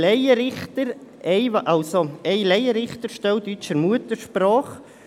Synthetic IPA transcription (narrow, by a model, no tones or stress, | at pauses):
lɛɪəɾɪχtəɾ | ɛɪʔɑlsoɛɪlɛjəɾɪχt̪əɾʃtɛld̪yt͡ʃəɾmuət̪əɾʃpɾɑːχ